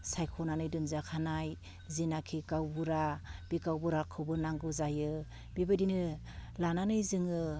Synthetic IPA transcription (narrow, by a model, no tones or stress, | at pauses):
sajkʰɔnanɯjdɯnzakʰanaj | zinakʰikawbuɾab̥ikawbuɾakʰɯbɯnaŋɡɯzajɯ | bibɯdinɯ | lananɯjzɯŋɯ